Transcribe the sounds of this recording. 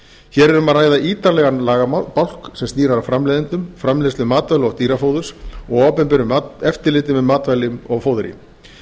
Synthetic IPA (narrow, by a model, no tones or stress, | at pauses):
çɛːɾɛɾʏmaðraːjðaʔiːt̪alɛɣanlaːɣampawl̥ksɛmst̪iːɾaɾawfɾamlejðɪnt̪ʏmfɾamlest̪ʏmːaːt̪vajlɔt̪iːɾafoːwðʏɾsɔɣɔːpɛmpɪɾʏmɛft̪ɪlɪːt̪ɪmɛmaːt̪vajlɪʏmɔɣfowðɾjɪ̰m